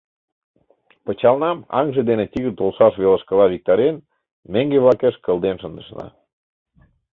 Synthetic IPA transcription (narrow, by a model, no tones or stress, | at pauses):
pə̆t͡ɕɑlnɑmɑ̰ŋʒed̪enet̪iɣərt̪olʃɑʃβelə̆ʃkəlɑβik̚t̪ɑɾen | meŋɡeβlɑkeʃkəlˠd̪enʃənd̪ə̆ʃnɑ̰